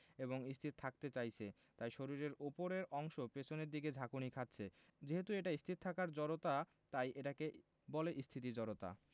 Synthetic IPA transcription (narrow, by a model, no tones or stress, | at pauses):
eboŋist̪ʰit̪̚t̪ʰak̚t̪et͡ɕajt͡ɕʰe | t̪ajʃoɾiɾeɾupoɾeɾɔŋʃopet͡ɕʰoneɾd̪iɡed͡ʑʱakunikʰatːɕʰed͡ʑeɦet̪ueʈaist̪ʰit̪̚t̪ʰakaɾd͡ʑɔɾot̪a | t̪ajʔeʈake | bɔleʔist̪ʰit̪̬id͡ʑɔɾot̪a̰